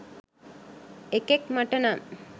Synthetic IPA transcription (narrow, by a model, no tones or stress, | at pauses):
ekekmɐʈɐna